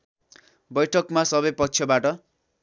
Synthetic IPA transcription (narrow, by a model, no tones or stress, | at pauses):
bʌjʈʰʌkmasʌbʌjpʌkt͡ʃʰjʌbaʈʌ